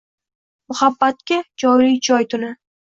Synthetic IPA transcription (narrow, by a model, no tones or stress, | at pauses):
mʊhabːat̪̚kʲad͡ʒɒɾɾid͡ʒʰɒjt̪ʰʊnɪ